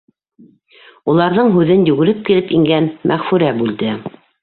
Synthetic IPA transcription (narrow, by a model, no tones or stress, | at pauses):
ulˠɑɾðɤɴɦʉðɘnjʉɡɘ̆ɾɘp̚kilɘpiŋɡænmʔæʁfʉɾæbʉld̪ɘ